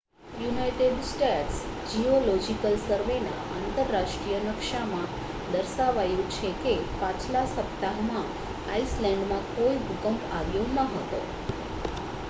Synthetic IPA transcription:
junajʈeɖsʈeʈsd͡ʒiolɔd͡ʒikəlsəɾʋena̰ant̪əɾːaʂʈɾijənəkʃamã | d̪əɾsaʋajũt͡ʃʰekepãt͡ʃʰlasəpt̪aɦmã | aislɛ̃ɳɖmãkoiɦukəmpaɡjõnəɦət̪o̰

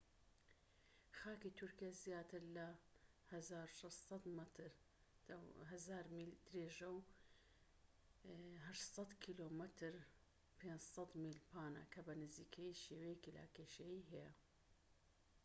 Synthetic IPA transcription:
xaːkit̪ʰʊɾkijazjaːt̪ʰɨɾlɐ | hɐzaːɾuʃɐssɑt̪mɐt̪ʰɾ | ɦɐzaːɾmild̪̥ɾeːʒɐw | ɦɐʃsˤɑt̪kʰiloːmɨt̪ʰɨɾ | pʰeːnd͡ʒsˤɐt̪miːlpʰaːnɐ̰kʰɐbɐnɨziːkʰɐjiʃeːwejekila̰keːʃɐjiːɦɛjɐ̰

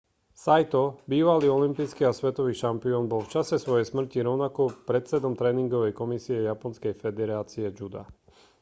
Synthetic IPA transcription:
sajt̪ɔbiːʋaliːɔlimpijskiːasʋɛt̪ɔʋiːʃampiɔːnbɔlft͡ʃasɛsʋɔjɛjsmr̩ciɾɔʊnakɔpɾɛt̪sɛd̪ɔmt̪ɾɛːniŋɡɔʋɛjkɔmisiɛjapɔnskɛjfɛd̪ɛɾaːt͡siɛd͡ʒud̪a̰

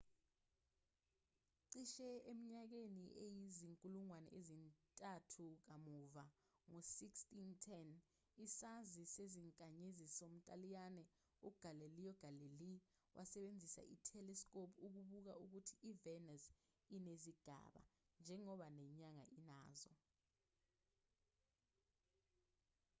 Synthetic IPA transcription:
ǀiʃɛemiɲak̬eniʔejiziŋkʼuluŋwanɛ̰ʔezintʼatʰuk̬amuva | ŋosikstʼintʰɛn | isaziseziŋkʼaɲezisom̩tʼalijanɛ | uɡ̥ʱalelijɔɡ̥ʱaleli | wʔasɛɓend͡zʱisa̰ʔḭtʰɛlɛskʼopʰuk̬uɓuk̬auk̬utʰiːvɛnas | ineziɡ̥ʱa̰ɓa̰ | nd͡ʒʱɛŋɔɓanɛɲaŋa̰ʔina̰ːzɔ̰

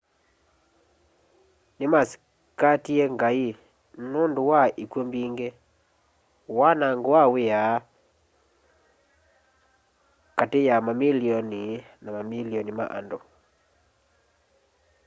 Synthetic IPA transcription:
nɪmas | katieŋɡai | nondowaʔikwombiŋɡe | wanaŋɡawɪa | katejamamiliɔni | namamiliɔnima̰ʔa̰ndo

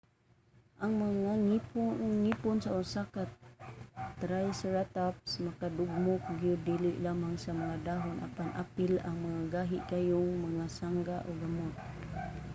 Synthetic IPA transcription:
ʔaŋmaŋaŋ | ŋipʊnsaʊsakat | t̪ɾajsɹat̪apsmakadʊɡ̚mʊk̚ɡijʊdilɪʔlamaŋsamaŋadaɦʊnʔa̰panʔapɪlaŋmaŋaɡaɦɪʔkajʊŋmaŋasaŋɡaʔoɡamʊt̪̚

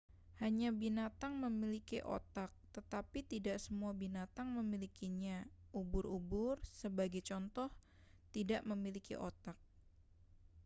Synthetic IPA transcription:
haɲabinat̪aŋməmilikiʔo̰t̪ak̚t̪ət̪apit̪idaʔsəmuabinat̪aŋməmilikiɲaʔubʊɾubʊrsəbaɡajt͡ʃɔnt̪ɔh | t̪idaʔməmilikḭʔo̰t̪ak̚

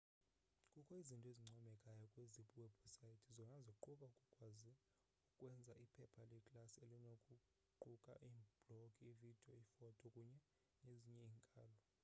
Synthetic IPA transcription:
kʼukʰɔizintʼeziŋ͡ǀʱɔmɛkʼajɔkʼweziɓʼuwɛbʰʱɔsaitʰizɔnazɔuǃuɓaukʼukʼwazi | ukʼwɛnd͡zʱaipʰɛpʰalɛkʼlaselinokʼu | ǃukʼa̰ʔiːb̥lokʼiivid̥ʱiɔifɔtʰʼɔkʼuɲɛ | neziɲɛiːŋkʼaːlɔ

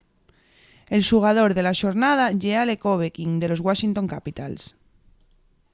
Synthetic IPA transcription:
elʃuɣ̞að̞oɾðelaʃoɾnað̞aʝealekoβ̞ekiŋd̪e̞lo̞zɣwaʃint̪õŋkapit̪a̰ls

